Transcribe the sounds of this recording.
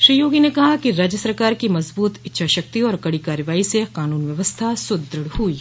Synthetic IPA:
ʃɾiːjoːɡinekɐɦakiɾaːd͡ʒjəsɐɾkaːɾkimɐzbuːt̪ɪtːʃʰaʃɐk̚t̪iɔːɾkɐɽikaːɾjəʋaːiseqaːnuːnʋjɐʋəst̪ʰasʊd̪ɾəɽhuiː

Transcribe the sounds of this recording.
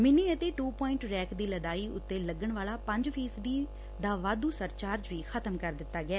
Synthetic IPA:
mɪniːət̪eːʈuːpɔːɪ̃ɳʈɾɛːkʰd̪iːləd̪aːiːʊt̪ːeːləɡəɳʋaːlaːpə̃ɲd͡ʒpʰiːsbiː | d̪aːʋaːd̪uːsəɾt͡ʃaːɾd͡ʒʋiːxʰət̪əmkəɾd̪ɪt̪ːaːɡɪɛː

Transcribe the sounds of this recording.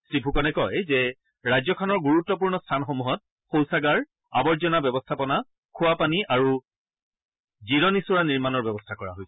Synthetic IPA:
sɹipʰukɔnɛkɔjzɛ | ɹajzɔkʰɔnɔɹɡuɹutːɔpuɹnɔstʰanxomuɦɔt̚ | xowsaɡaɹ | abɔɹzɔnabɔbɔstʰapɔna | kʰʊwapaniʔaɹu | ziɹɔnisuɹaniɹmanɔɹbɛbɔstʰakɔɹa̰ɦojsɛ

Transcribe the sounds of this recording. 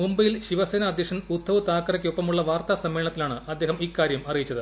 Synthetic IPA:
mumbɐjilɕiʋɐseːnɐːd̪jekʂɐnud̪ʱːɐʋut̪aːkːɐrɐkʲːo̞pːɐmuɭːɐʋaːrt̪asɐmːe̞ːɳɐt̪ːilaːɳɨɐd̪ːe̞ːɦɐmikːaːɾjɐmɐrijit͡ɕːɐðɨ

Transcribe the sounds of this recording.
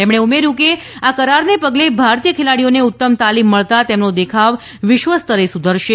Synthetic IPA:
t̪emɳ̃eumeɾjũke | akəɾaɾnepəɡlebʱaɾt̪ijəkʰelaɽijoneut̪ːəmt̪alimːəɭt̪at̪emnod̪ekʰaʋ | ʋɪʃʋəst̪əɾesud̪ʱəɾʃe

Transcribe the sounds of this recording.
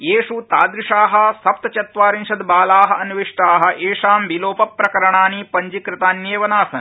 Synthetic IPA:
jeːʂut̪aːd̪ɾiʂaːɦɐ̆sɐp̚t̪ɐt͡ʃɐt̪ʋaːɾinʃɐd̪baːlaːɦɐ̆ɐnʋiʂʈaːɦɐ̆ʔeːʂaːmbiloːpɐpːɾɐkɐɾɐɳaːnipɐɲd͡ʒikɾɪt̪aːnjeːʋɐnaːsɐn

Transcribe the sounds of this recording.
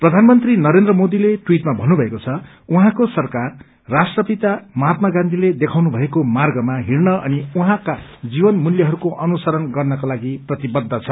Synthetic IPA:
prʌd̪ʱanmʌnt̪rinʌɾend̪rʌmod̪iletwiʈmabʱʌnːubʱʌekot͡sʰʌ | uɦãkosʌrkarː | asʈrʌpit̪amat̪maɡãnd̪ʱiled̪ekʰawnubʱʌekomarɡʌmaɦirnʌʔʌniuɦãkad͡zibʌnmuljʌɦʌɾukoʔʌnusʌɾʌnɡʌrnʌkalaɡiprʌt̪ibʌd̪ʱːʌt͡sʰʌ

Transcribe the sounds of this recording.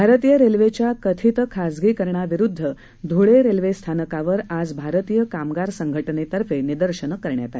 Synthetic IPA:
bʱaɾət̪ijəɾelʋet͡ɕjakət̪ʰit̪kʰasɡiːkəɾɳaʋiɾud̪ʱːə | d̪ʱuɭeɾelʋest̪ʰanəkaʋəɾad͡zbʱaɾət̪ijəkamɡaɾsəŋɡʱəʈənet̪əɾfenid̪əɾɕənəkəɾɳja̰t̪ae

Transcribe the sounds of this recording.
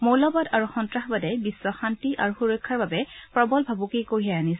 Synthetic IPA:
mowlɔbɔdaɹuxɔntɹaxbadɛbisːɔxantiʔa̰ɹuxuɹɔjkʰːaɹbabɛpɹɔbɔlbʱabukejkoɦijajanis

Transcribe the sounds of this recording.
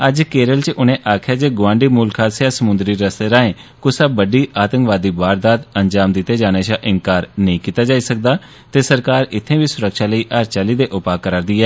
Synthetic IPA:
əd͡ʒkeːɾəlt͡ʃʊnẽːʔaːkʰɪjaːd͡ʒeːɡʊʋãːɳɖiːmʊːlkʰaːsaːsəmʊnd̪ɾiːɾəst̪eːɾaːẽː | kʊsaːbəɖiːʔaːt̪ə̃ŋkʋaːd̪iːbaːɾd̪aːt̪ənd͡ʒaːmd̪ɪt̪ːeːd͡ʒaːneːʃaʔɪŋkaːɾnəĩːkiːt̪aːd͡ʒaːiːsək̚d̪aː | t̪eːsəɾkaːɾɪt̪ʰːẽːʋiːsʊɾəkʃaːləiːʔəɾt͡ʃaːliːd̪eːʔʊpaːkəɾaːɾd̪iːɦɛː

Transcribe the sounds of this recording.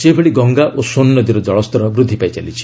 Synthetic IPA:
sebʱeɽiɡɔŋɡaʔosonːɔd̪iɾɔd͡ʒɔɭɔst̪ɔɾɔbɾud̪ʱːipait͡ʃalit͡ʃʰi̥

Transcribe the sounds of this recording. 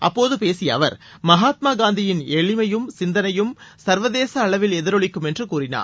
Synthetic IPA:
ʔɐpːoːðɯpeːsɪjɐ̰ʋɐ̰ɾmɐɦaːt̪̚maːɡaːnd̪ɪjɪneɭɪmɐjɯmsɪnd̪ɐnɐjɯmsɐɾʋɐðeːsɐːɭɐʋɪlɛðɪɾɔɭɪkːɯmɛndrɯkuːrɪna̰ːɾ

